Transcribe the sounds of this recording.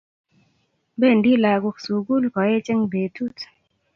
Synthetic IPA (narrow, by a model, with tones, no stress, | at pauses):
be˦˨ɳɖi˦laː˨ɡu˧ksu˨ɡu˦lkɔ˨e˦t͡ʃe˦ŋbe˨t̪ʰu˦t